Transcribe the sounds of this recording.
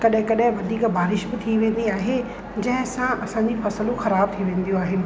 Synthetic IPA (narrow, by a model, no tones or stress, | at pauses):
kɐɗɦɪ̃kɐɗɦɪ̃ʋɐd̪ʱiːkbaːɾɪʃbɪt̪ʰiʋẽːn̆d̪iaːɦe | d͡ʑɐ̃ɦɪ̃sãʔɐsãɲd͡ʑifɐsəlõxɐɾaːb̚t̪ʰiʋẽːn̆d̪ijõaːɦɪnɪ̆